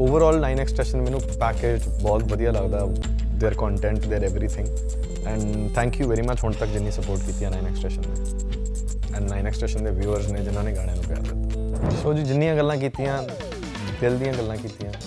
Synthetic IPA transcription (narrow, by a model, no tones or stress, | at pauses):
oːʋəɾɔːlnaːɪnɛːksʈeːʃənmɛ̃ːnũːpɛːkeːd͡ʒ | bɔːt̪ʋəd̪ijaːləɡd̪aː | d̪eːɾkɔ̃ːɳʈɛ̃ːɳʈd̪eːɾɛʋɾiːt̪ʰɪ̃ŋɡ | ɛ̃ːɳɖ | t̪ʰɛ̃ːŋkjuːʋɛːɾiːmət͡ʃɦʊɳt̪əkd͡ʒɪnːĩːsəpoːɾʈkiːt̪iːãnaːinɛksʈeːʃənːe | ɛ̃ːɳɖnaːɪnɛːksʈeːʃənd̪eːʋjuːəɾzneːd͡ʒɪnãːneːɡaːɽ̃jãːnũːpja̰ːɾd̪ɪt̪ːaasoːd͡ʒiːd͡ʒɪnːĩjãːɡəlːãːk̬iːt̪ijãː | d̪eːld̪ijãːɡəlːãːkiːt̪ijãː